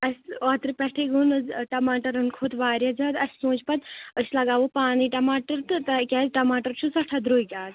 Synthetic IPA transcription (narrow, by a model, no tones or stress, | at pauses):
ɐsʲɔːt̪ɾɨpʲɛʈʰeɡunɨʈɐmaːʈɐɾɨnkʰot̪ʋaːɾʲjɐd͡ʒɐːt̪ɐsʲsõːt͡ʃpɐt̪əsʲlɐɡaːʋupaːniʈɐmaːʈɐɾt̪ɨt̪ɐkʲɛːzʈɐmaːʈɐɾt͡ʃʰusɐʈʰɐd̪ɾuːikʲaːz